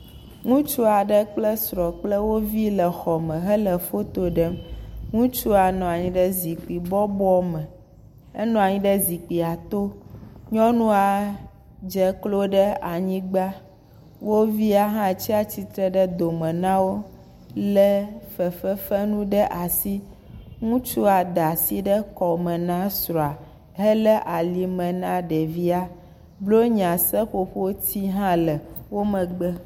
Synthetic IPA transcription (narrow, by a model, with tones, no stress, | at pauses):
ŋũ˦t͡ʃu˦a˨ɖɛ˦k͡plɛ˦sɾɔ˨k͡plɛ˦wo˦vi˦lɛ˨xɔ˨mɛ̃˨ɦɛ˦lɛ˨fo˦t̪o˦ɖɛ˦mŋũ˦t͡ʃu˦a˨nɔ̃˨a˨ɲĩ˦ɖɛ˦zi˨k͡pi˨bɔ˦bɔ˦mɛ˨ | e˦nɔ̃˨a˨ɲĩ˦ɖɛ˦zi˨k͡pi˨a˨t̪o˦ɲɔ̃˦nũ˦a˨ | d͡ʒɛ˨klo˦ɖɛ˦a˨ɲĩ˦ɡ͡ba˦ | wo˦vi˦a˨ɦã˦t͡ɕi˦a˨t͡ɕi˦t̪ɾɛ˦ɖɛ˦d̪o˨mɛ̃˨nã˦wo˦ | lɛ˦fɛ˨fɛ˦fɛ˦nũ˦ɖɛ˦ʔa˨si˦ | ŋũ˦t͡ʃu˦a˨ɖa˨si˦ɖɛ˦kɔ˨mɛ̃˨nã˦sɾɔ˨a˨ | ɦɛ˦lɛ˦ʔa˨li˨mɛ̃˨nã˦ɖɛ˨vi˦a˨ | blo˦ɲ˨ã˨sɛ˦ɸo˨ɸo˦t̪i˦ɦã˦lɛ˨wo˦mɛ̃˨ɡ͡bə˦